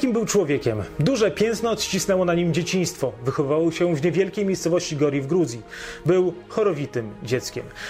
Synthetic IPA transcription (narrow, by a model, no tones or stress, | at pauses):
kʲimbɘwt͡ʂwɔvʲjɛkʲɛmd̪uʐɛpʲjɛ̃nt̪nɔɕt͡ɕisnɛwɔnaɲimd͡ʑet͡ɕij̃st̪fɔvɘxɔvɘvawɔɕɛvɲɛvʲjɛlkʲejmʲejst̪sɔvɔɕt͡ɕiɡɔɾʲjivɡɾud̪zjibɘwxɔɾɔvʲit̪ɘmd͡ʑɛt̪skʲɛm